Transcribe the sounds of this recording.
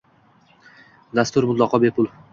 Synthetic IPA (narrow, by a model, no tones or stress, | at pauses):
d̪ast̪ʊɾmʊzlˠɒqʰɒbepʰʊlˠ